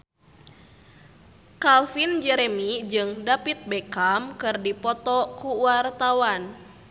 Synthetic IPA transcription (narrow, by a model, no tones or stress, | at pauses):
kalfind͡ʒɛɾɛmid͡ʒɨŋdapit̪̚bɛkamkɨrdipɔt̪ɔkuwart̪awan